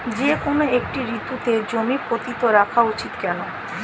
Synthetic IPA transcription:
d͡ʑekonoekʈiɾit̪ːut̪ed͡ʑomipɾot̪it̪oɾakʰaut͡ɕit̪kɛno

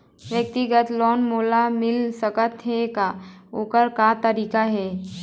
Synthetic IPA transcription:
ʋjək̚t̪iɡət̪lɔːnmoːlamɪlsəkət̪ɦɛkaoːkəɾkat̪əɾiːkaɦɛː

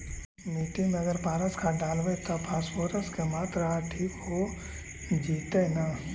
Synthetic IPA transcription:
miːʈɪ̃mẽɐɡəɾpaːɾəskʰaɖaːlʋet̪opʰaːsfoːɾəskemaːt̪ɾəɦaʈʰiːkɦo | d͡ʒiːt̪ena

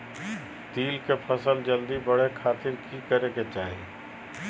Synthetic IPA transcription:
t̪iːlkepʰəsəld͡ʒəld̪ibɐɽekʰaːt̪ɪɾkikəɾeket͡ʃaːɦi

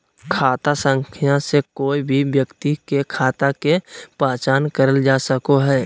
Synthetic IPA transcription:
kʰaːt̪asə̃ŋkʰijãsekoːibʱibjəkt̪ikekʰaːt̪akepaːt͡ʃaːnkəɾəld͡ʒaːsəkoɦɛː

